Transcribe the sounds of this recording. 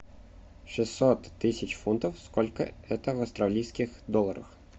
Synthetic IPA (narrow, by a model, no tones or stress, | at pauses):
ʂɨsːɔt̪ːɪsʲɪt͡ɕfunt̪ɐwskɔlʲkɐ̰ɛt̪əvɐst̪ɾɐlʲijsʲkʲɪxd̪ɔlˠːɐɾɐ̰x